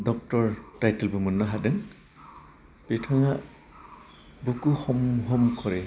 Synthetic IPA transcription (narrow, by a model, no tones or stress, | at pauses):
dɔk̚tɔɹtajtelbumunːaɦadɯŋ | petʰaŋa | bukuxɔmɦɔmkʰɔɹɛ